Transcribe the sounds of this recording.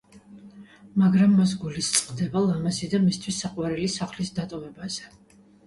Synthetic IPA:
maɡɾamːas̬ɡulist̪sʼqʼd̪ɛbalˠamazid̪amist̪ʰwisːaqʼwaɾɛlisaχlisd̪at̪ʼɔvɛbaz̥ɛ

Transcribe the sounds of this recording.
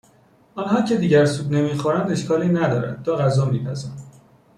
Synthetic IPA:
ʔɒnɦɒːcʰe̞d̪iːɟæɾsubne̞miːxoɾænd̪e̞ʃkʰɒːliːnæd̪ɒːɾæ̰nd̪̚t̪ɒːɣæzɒːmiːpʰæzæn

